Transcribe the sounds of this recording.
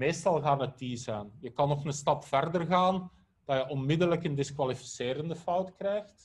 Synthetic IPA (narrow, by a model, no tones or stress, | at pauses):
meːstɑlˠɣaːnətːiːzəːnjəkɑnːɔxnəstɑpfɛrdərɣaːn | d̥ɑjəʔɔnmɪdələkəndɪskwalifi̥sɪːɾəndəfʌwtkrɛjxt